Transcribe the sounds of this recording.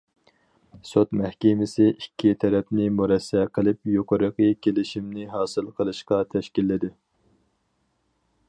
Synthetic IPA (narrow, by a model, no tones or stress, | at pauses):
sot̪mɛhkʲemɪsɪikʲʰːit̪ʰɛɾɛpnɪmuɾɛsːɛqʰəlˠɨp̚joqʰəɾəqʰəkʲʰelɪʃimnɪɦɑːsɨlˠqʰəlˠɨʃqɑt̪ʰɛʃkʲilːɪd̪ɪ